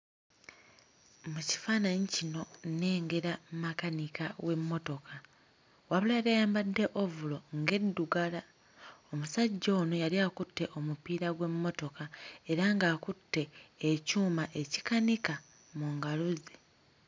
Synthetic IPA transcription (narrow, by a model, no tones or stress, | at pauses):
muci̥faːnaɲicino̞ne̞ːŋɡe̞ɾammakanikawe̞mːo̞to̞kʰa | waβuljaɾajaːmbadːe̞ʔovulo̞ŋɡe̞dːuɡala | o̞musaɟːo̞ːno̞jaliakutːe̞ʔo̞mupiːɾaɡwe̞mːo̞to̞kae̞ɾaŋɡaːkutːe̞ːcuːmaʔe̞cikanika | muŋɡaluzi